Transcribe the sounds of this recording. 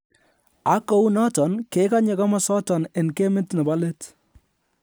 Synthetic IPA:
a˨˦kɔ˦u˦nɔ˦tɔ˨nke˦ka˦ɲɛ˨ka˦mɔ˦sɔ˦tɔ˨ne˨nke˦mɪ˦tnɐ˨ba˦le˦t

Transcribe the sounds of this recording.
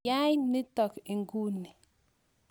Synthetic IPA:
a˦jnɪ˦tɔ˨kɪ˨ŋɡu˦ni˨

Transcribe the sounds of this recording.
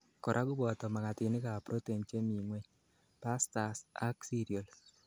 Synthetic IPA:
kɔ˨ɾʔa˦ɡʊ˦bɔ˨t̪ɔ˨ma˨ŋa˨t̪ɪ˨nɪ˦ka˨pɾo˦te˨mt͡ʃe˦mi˨mwɛ˦ɲ | pa˦sta˨sa˦ksi˦ɾio˨l

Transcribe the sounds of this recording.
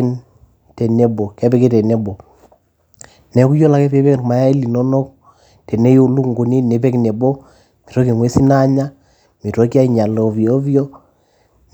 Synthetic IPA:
n | tɛ˨nɛ˦bɔ˨kɛ˦bɛ˦ke˦tɛ˨nɛ˦bɔ˨ | nɛ˨ku˦jɔ˦la˨kɛ˦pɛ˦bɛ˦kɾma˨ja˦i˦li˨nɔ˦nɔ˦k̚ | tɛ˨nɛ˦jo˦lu˦ŋɡu˨ni˦nɛ˨pɛ˦knɛ˨bɔ˦ | mi˨ɾɔ˦ke˨ŋwɛ˦si˦na˦ɲa˦ | mi˨ɾɔ˦ki˦a˦i˨ɲa˨lɔ˨βjɔ˦βjɔ˦

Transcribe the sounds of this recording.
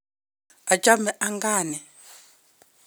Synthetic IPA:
a˨t͡ʃʼa˦mɛ˨ʔa˦ŋɡaː˦nɛ˨

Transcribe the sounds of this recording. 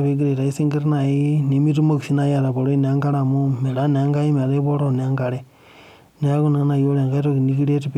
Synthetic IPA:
βe˦ɡ̬i˦ɾe˨ɾa˨i˦si˦ŋɡi˦ɾi˦na˨ji˦ni˨mi˦tu˦mo˦ku˨ʃi˦na˦ja˨ɾa˨βo˨ɾo˦i˦n˨a˦ŋɡa˦ɾa˨mu˦me˨ɾa˦n˨a˦ŋɡa˦ji˦me˨ɾe˦βo˦ɾo˨n˨a˦ŋɡa˨ɾe | ni˦a˦ku˦na˨˦na˨jo˦le˨ŋɡa˦ɾo˦ki˨niki˦le˦ti˨p

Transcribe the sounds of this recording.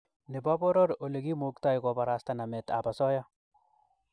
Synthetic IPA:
ne˨ba˦bɔ˦ɾɔ˦ɾo˨le˨ɡi˦muk̚t̪a˦jkɔbaɾast̪ana˨mɛ˨t̪a̰basɔ˦ja˦

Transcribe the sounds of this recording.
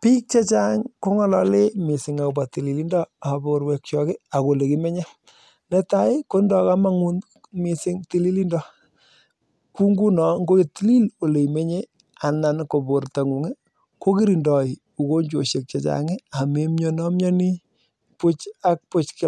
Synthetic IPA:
pi˦k̚t͡ʃa˦t͡ʃa˦ŋko˦ŋɔ˦lɔ˨˦le˦mɪ˨sɪ˨ŋa˨u˨ba˨ti˨li˨li˦ndɔ˦a˨bo˨ɾwɛ˨k̚t͡ʃɔ˨kɪ˦a˨ko˨le˨ki˦me˦ɲe˦ | nɛ˦ta˦ɪ˦ko˦ndɔ˨ka˦ma˦ŋu˦n | mi˨sɪ˦ŋti˦li˦li˦ndɔ˦ | ku˦ŋɡu˦nɔ˨ŋɡo˦ki˨ti˦li˦lo˨le˨i˨me˦ɲe˦ | a˨na˨nko˨bo˨ɾta˨ŋu˨ŋɛ˦ | ko˦ki˦ɾi˨ndɔ˨ɪ˨ | u˨ko˦ɲd͡ʒo˨ʃe˨k̚t͡ʃa˨t͡ʃa̰˨ŋɪ˦a˨me˨mɲɔ˨nɔ˦mɲɔ˦ni˦ | pʊ˦t͡ʃa˦k̚pʊ˦t͡ʃkɪ˦

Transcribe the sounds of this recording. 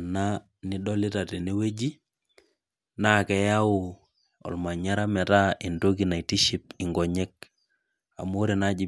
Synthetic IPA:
na˦ | ni˦dɔ˦li˦ta˨te˨ne˦we˦d͡ʒi˦ | na˦˨kɛ˨ja˦ʊ˨ | ɔ̰˨lma˨ɲa˦ɾa˦mɛ˨ta˦ʔi˨ndo˦ɡi˨na˨i˨ti˦ʃi˦p̚ɪ˨ŋɡɔ˨ɲɛ˦k̚ | a̰˨mo˦ɾe˨na˦d͡ʒi˨

